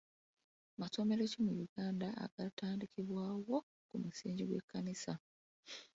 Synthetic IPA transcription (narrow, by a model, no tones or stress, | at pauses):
maso̞me̞ɾecimujuɡaːndaa̰ɡ̥ataːndikiβwaːwo̞ | kumusiːɲɟiɡwekːanisa